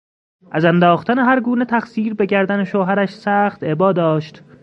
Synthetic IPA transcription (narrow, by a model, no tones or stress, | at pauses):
ʔæzænd̪ɒːxt̪æneɦæɾɡuːnet̪ʰæχsiːɾbe̞ɟæɾd̪æneʃoːɦæɾæʃsæːxt̪e̞bɒːd̪ɒːʃt̪